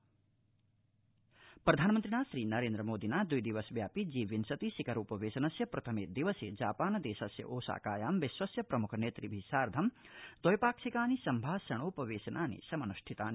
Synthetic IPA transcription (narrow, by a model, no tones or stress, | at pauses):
pɾɐd̪ʱaːnɐmɐnt̪ɾinaːʃɾiːnɐɾeːnd̪ɾɐmoːd̪inaːd̪ujd̪iʋɐsʋjaːpid͡ʒiːʋinsɐt̪isikɐɾuːpɐʋeːʃɐnɐsjɐpɾɐt̪ʰɐmeːd̪iʋɐsḛːd͡ʒaːpaːnɐd̪eːsɐsjɐ̰ʔoːsa̰ːkaːjaːmʋiʃʋɐsjɐpɾɐmukʰɐneːt̪ɾibʱisaːɾd̪ʱɐmd̪ɔjpaːksikaːnisɐmbʱaːsɐɳ̃oːpɐʋeːsɐnʔaːnḭsɐmɐnuʃʈʰit̪aːn